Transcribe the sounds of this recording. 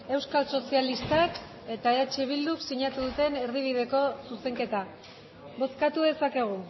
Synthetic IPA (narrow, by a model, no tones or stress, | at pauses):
e̞wskalso̞sialist̪ak | e̞t̪aeat͡ʃeβ̞ild̪uksiɲat̪uðut̪e̞ne̞ɾðiβ̞ið̞e̞ko̞suse̞ŋke̞t̪a | bo̞skat̪uðe̞sake̞ɣ̞u